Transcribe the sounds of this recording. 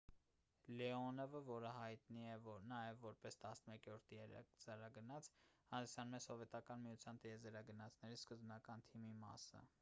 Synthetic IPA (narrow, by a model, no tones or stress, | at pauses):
lɛɔnɛvəvɔɾəɦɑjt̪niɛvɔɾnɑjɛvːɔɾpɛst̪ɑsnəmɛkɔɾt̪ʰiɛɾɛ̰kd͡zɛɾɑɡənɑt͡sʰhɑnd̪isjɑnmɛsɔvɛt̪ɑkɑnmijut͡sʰjɑnt̪əjɛzɛɾɑɡənɑt͡sʰnɛɾiskəzbmɑkɑnt̪ʰimimɑ̰sə̰